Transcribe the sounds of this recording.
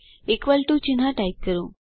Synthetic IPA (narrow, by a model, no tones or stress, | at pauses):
ekʋalʈ̪ũt͡ɕinɦaʈajkːəɾũ